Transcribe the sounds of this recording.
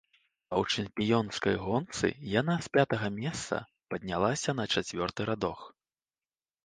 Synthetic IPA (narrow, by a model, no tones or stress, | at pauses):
ɐwt͡ʂɨmpʲijɔnskɐjɣɔnt̪sɨ̰janaspʲat̪ɐɣɐmʲɛst̪sɐ̰ | pɐd̪̚ʲnʲalˠasʲɐnɐt͡ʂat͡sʲvʲɔrt̪ɨɾad̪ɔx